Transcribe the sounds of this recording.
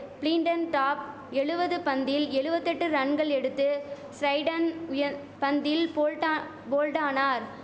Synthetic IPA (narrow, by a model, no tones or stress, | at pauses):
pliːɳɖɐnʈaːp̚ | ɛɻɯbɐðɯpɐnd̪ɪlɛɻɯbɐt̪ːɛʈːɯɾɐɳɡɐɭɛɽɯt̪ːɯ | sɾɐɪɖɐnʊjɐ | pɐnd̪ɪlpoːɻʈː | boːlʈaːnaːɾ